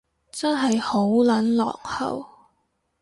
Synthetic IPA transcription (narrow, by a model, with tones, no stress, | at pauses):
t͡sɐ˥nɦɐ˨jho˨˥wlɐ˨˥nlɔ̰ː˨k̚hɐ̰˨˩w